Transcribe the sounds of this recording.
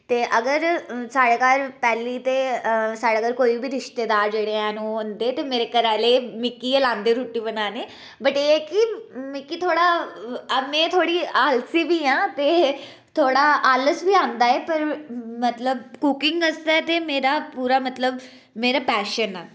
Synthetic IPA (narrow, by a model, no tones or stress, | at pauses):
t̪eːʔəɡəɾsaːɽeːkaːlpɛːliːt̪eːsaːɽeːkaːlkoːiːbiːɾɪʃt̪eːd̪aːɾd͡ʒeːɽeːɛ̃ːnũːʊnd̪eːt̪eːmeːɾeːkəɾɛːleːmɪkːiːəlãːnd̪eːɾuːʈːiːbənaːneː | bəʈeːkɪmɪkːiːt̪ʰoːɽaːəmẽːt̪ʰoːɽiːalsiːbiːãːt̪eː | t̪ʰoːɽaːʔaːləsbiːãːnd̪aːeːpəɾmət̪ləbkukɪŋɡəsd̪aɛt̪eːmeːɾaːpuːɾaːmət̪ləb | meːɾaːpɛːʃənaː